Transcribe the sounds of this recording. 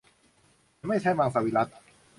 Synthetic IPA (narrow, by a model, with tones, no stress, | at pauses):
ma˥˩jt͡ɕʰɛː˥˩maː˧ŋsa˧˩wiː˧la˦˥t̪̚